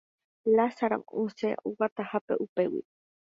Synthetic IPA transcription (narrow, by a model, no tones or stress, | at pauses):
lasaɾa̰museuwat̪ahapḛʔupewḭ